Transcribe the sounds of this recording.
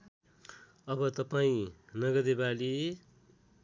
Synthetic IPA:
ʌbʌt̪ʌpaĩnʌɡʌd̪ebali

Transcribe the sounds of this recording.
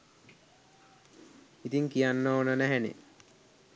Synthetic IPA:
it̪iŋkijanːoonənæɦænḛ

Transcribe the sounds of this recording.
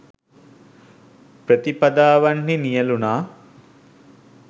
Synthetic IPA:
prət̪ipad̪aːʋanːinijəlunaː

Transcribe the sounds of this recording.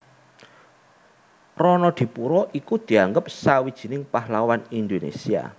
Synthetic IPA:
rɔnɔd̪̥i̤puɾɔʔikud̪̥i̤aŋɡəp̚sawid̥ʒ̥i̤nɪŋpahlawanind̪onḛsia̰

